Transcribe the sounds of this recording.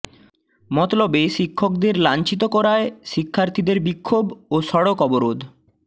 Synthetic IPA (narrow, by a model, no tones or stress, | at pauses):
mɔt̪lobeʃikʰːok̚d̪eɾlant͡ɕit̪̬okɔɾaeʃikʰːaɾt̪ʰid̪eɾbikʰːoboʃɔɽokɔboɾod̪